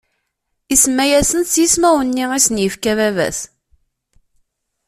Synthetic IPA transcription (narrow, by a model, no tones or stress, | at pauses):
isəmːæjæsənt͡sːjismæwənːiisənjəfkævævæ̰s